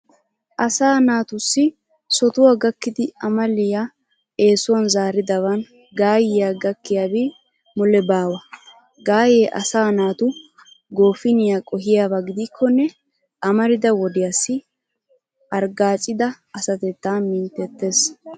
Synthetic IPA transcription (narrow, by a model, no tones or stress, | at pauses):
ʔɐsaːnaːt̪ʊsːɪ | sɔt̪ʊwaɡɐkːɪd̪ɪɐmɐlːɪja | e̞ːsʊwɐnzaːɾɪd̪ɐwɐn | ɡaːjɪjaɡɐkːɪjaːbi | mɔlɛbaːwɐ | ɡaːjeːʔɐ̰saːnaːt̪ʊ | ɡo̞ːfɪnɪjakʼɔɦɪjaːbɐɡɪd̪ɪkʰːɔnːɛ | ʔɐmɐɾɪd̪ɐwɔd̪ɪjasːɪ | ʔɐɾɡaːt͡ʃʼːɪd̪ɐ | ɐsɐt̪ɛt̪ːaːmɪnt̪ːɛt̪ːe̞s